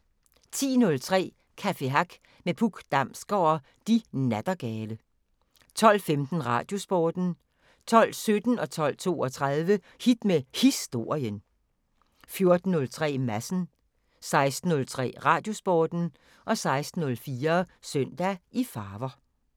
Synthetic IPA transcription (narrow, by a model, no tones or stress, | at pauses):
t͡sʰḭːnɔ̽lt͡sʰʁɛ̰ː | kʰæfe̝ɦɑɡ̥ | mepʰuɡ̥d̥ɑ̈m̰sɡ̥ɒʊɐ | d̥inæd̥ɐɡ̥ɛːlə | t͡sʰɒ̽l̰femd̥n̩ʁɑ̈ːd̥jo̝sb̥ɒːd̥n̩ | t͡sʰɒ̽l̰sød̥n̩ɒ̽t͡sʰɒ̽l̰t͡sʰo̝̰ːɒt͡sʰʁɑðˠʋə | hid̥mehisd̥o̝ːɐ̰iən | fjo̝ɐd̥n̩ːɔ̽lt͡sʰʁɛ̰ːmæsn̩ | sɑ̈ɪsd̥n̩ːɔ̽lt͡sʰʁɛ̰ːʁɑ̈ːd̥jo̝sb̥ɒːd̥n̩ | ʔɒ̽sɑ̈ɪsd̥n̩ɔ̽lfiːɐsøn̰d̥æʔifɑːʋɐ